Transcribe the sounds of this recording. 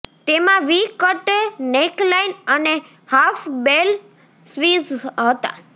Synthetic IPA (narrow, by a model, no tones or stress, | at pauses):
t̪emãʋikəʈneklainəne | hafbel | sʋizɦət̪a̰